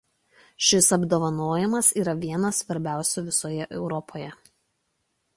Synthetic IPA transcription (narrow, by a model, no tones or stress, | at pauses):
ʃʲɪsɐbd̪oːʋɐnoːjɛmɐsiːɾɐʋʲiɛnɐsːʋɐɾʲbʲæˑʊsʲuːʋʲɪsoːjɛʔɛʊɾɔpʰoːjɛ